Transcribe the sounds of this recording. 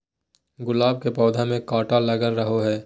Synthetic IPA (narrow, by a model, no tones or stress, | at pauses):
ɡʊlaːb̚kepɔːd̪ʱamẽkaːʈalɐɡəɾːəɦoɦɛː